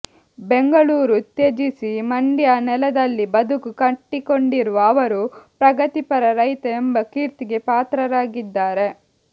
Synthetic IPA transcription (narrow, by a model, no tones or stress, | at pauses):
beŋɡɐɭuːɾut̪ːed͡ʒisimɐɳɖjɐnɛlɐd̪ɐlːibɐd̪ʱukukɐʈːikoɳɖiɾuʋɐːʋɐɾupɾɐɡɐt̪ipɐɾɐɾɐjt̪ɐembɐkiːɾt̪iɡe̞paːt̪ɾɐɾaːɡid̪ːaːɾe̞